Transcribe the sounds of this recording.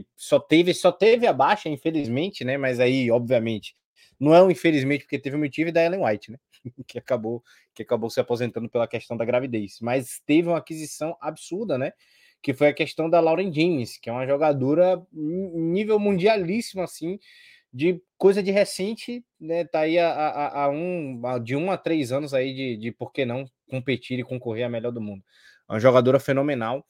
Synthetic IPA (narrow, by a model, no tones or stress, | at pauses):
ɪ | sɔt̪evɪsɔt̪evɪabaʃɐĩfelizmẽnt͡ʃɪnɛmɐjzaiɔbviɐmẽt͡ʃɪ̥ | nɐ̃w̃ɛũĩfelizmẽt͡ʃɪpo̥ɾket̪evɪũmit͡ʃivɪd̪ɐɛlẽj̃wajt͡ʃɪnɛ | kɪakabow | kɪakabowsɪapozẽnt̪ɐ̃d̪ʊpelɐkɛʃt̪ɐ̃w̃d̪ɐɡɾavid̪ejsmɐjst̪evɪũmɐakizisɐ̃w̃abisuɾd̪ɐnɛ | kɪfojɐkɛʃt̪ɐ̃w̃d̪ɐlawɾẽd͡ʒẽjmɪskɪɛũmɐʒɔɡad̪oɾɐ | nivewmũd͡ʒialisimʊasĩ | d͡ʒɪkojzɐd͡ʒɪɦesẽnt͡ʃɪnɛt̪aiaaʔaʔaũad͡ʒɪũat̪ɾejzɐ̃nʊzaid͡ʒɪd͡ʒɪpoɾkenɐ̃w̃kõpet͡ʃiɾɪkõkoɦeɾɐmɛʎɔɾd̪ʊmũnd̪ʊ | ũɐʒɔɡad̪oɾɐfenõmẽnaw